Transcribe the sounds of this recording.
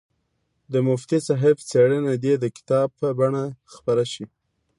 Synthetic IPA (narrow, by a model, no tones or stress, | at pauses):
d̪əmʊft̪isaɦɪft͡seɽənad̪ed̪əkɪ̥t̪ɑb̚pəbaɳaxpaɾaʃi